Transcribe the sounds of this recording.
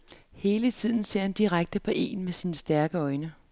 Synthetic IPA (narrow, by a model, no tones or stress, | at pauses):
he̝ːlət͡sʰið̰ˠn̩se̝ɐ̰hænd̥iʁaɡ̥̚d̥əpʰɒ̽ʔe̝̰ːnmesinsd̥æɐɡ̥əɒ̽ɪnə